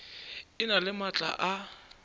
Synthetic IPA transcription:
ɪnalɪmat͡ɬʼa̰ʔa

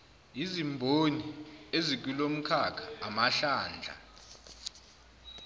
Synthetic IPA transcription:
izimbʱoniezik̬ilom̩kʰakʰaːmaɬaːnd͡ɮʱa̰

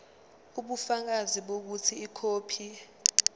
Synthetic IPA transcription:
uɓufak̬aziɓok̬utʰiːkʰoːpʰi

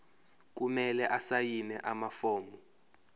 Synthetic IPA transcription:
k̬umɛlɛʔasajinɛʔamafɔːmɔ

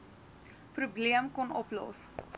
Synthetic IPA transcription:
prubliəmkɔnɔplɔ̰s

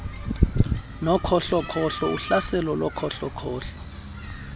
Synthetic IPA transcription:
nɔkʰɔɬɔkʰɔɬɔuɬasɛlɔlɔkʰɔɬɔkʰɔːɬɔ̥

